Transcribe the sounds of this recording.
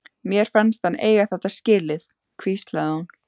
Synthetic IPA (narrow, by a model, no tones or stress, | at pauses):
mjɛɾ̥fanst̪hanːʔḛːjɣaθaht̪ascɪːlɪð | kʰviːst̪laðan